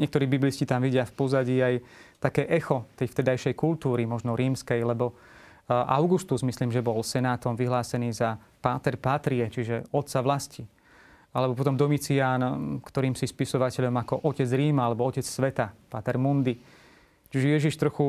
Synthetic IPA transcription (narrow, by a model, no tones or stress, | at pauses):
ɲɪɛk̚t̪ɔɾiːbibliscit̪amʋiɟɪafpɔzaɟiːajt̪akɛːʔɛxɔt̪ɛjft̪ɛd̪ajʃɛjkult̪uːɾimɔʒnɔɾiːmskɛjlɛbɔ | ʔa̰ʊɡust̪uzmisliːmʒɛbɔlsɛnaːt̪ɔmʋiɦlaːsɛniːza | paːt̪ɛɾpaːt̪ɾiɛt͡ʃiʒɛɔt̪t͡saʋlasci | alɛbɔpɔt̪̬ɔmd̪ɔmit͡siaːnkt̪ɔɾiːmsispisɔʋacɛʎɔmakɔʔɔcɛd͡zɾiːmaalɛbɔɔcɛt͡ssʋɛt̪apaːt̪ɛɾmund̪i | t͡ʃiʒɛjɛʒiʃt̪ɾɔxu